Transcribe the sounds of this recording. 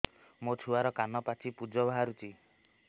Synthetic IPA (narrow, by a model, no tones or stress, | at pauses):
mot͡ʃʰuaɾɔkanɔpat͡ʃʰipud͡ʒɔbʱaɦaɾut͡ʃʰi